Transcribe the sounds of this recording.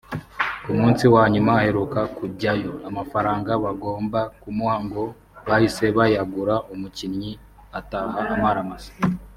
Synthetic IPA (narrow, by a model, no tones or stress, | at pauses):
umuːnsiwaːɲumaːhe̞ɾukakubɟajo̞amafaɾaːŋɡaβaɡo̞ːmbakumwaːŋɡo̞ | βahise̞βajaɡuɾaʔomucinɲi | ataɦaːmaɾamasḁ